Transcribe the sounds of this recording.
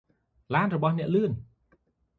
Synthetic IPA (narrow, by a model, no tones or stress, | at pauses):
laːnrɔɓɑhnɛ̆əʔlɨən